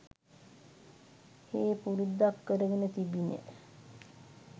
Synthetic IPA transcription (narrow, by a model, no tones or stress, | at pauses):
heːpuɾud̪ːakːəɾəɡənət̪ibinḛ